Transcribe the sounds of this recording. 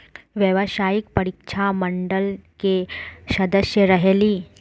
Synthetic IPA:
ʋjəʋəsajikpəɾikʂʰaməɳɖəlkesəd̪əsjəɾəɦeliː

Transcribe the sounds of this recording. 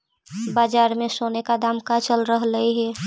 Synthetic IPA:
baːd͡ʒaːɾmesonekad̪amkat͡ʃəlɾəɦləiɦɛ

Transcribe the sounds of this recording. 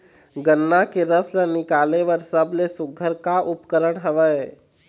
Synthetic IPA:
ɡənːakeɾəslənikaleʋəɾsəbʱlesuɡʱəɾkaʔupkəɾəɽɦəʋə

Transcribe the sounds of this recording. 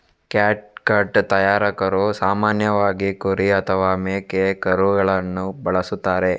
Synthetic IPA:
kaːʈ̚kɐɾʈt̪ɐjaːɾɐkɐɾusaːmaːnjɐʋaːɡikoɾiɐt̪ʰɐʋaːmeːkekɐɾuɡɐɭɐnːubɐɭɐsut̪ːaːɾe̞

